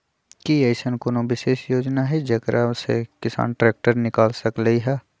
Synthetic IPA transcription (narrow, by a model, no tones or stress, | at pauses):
kieːɪsənkonõʋɪʃeːʃjoːd͡ʒnaɦɛd͡ʒɐkɾʔasḛkɪsa̰ːnʈɾɛːk̚ʈəɾnɪkaːlsəklɐiɦɛː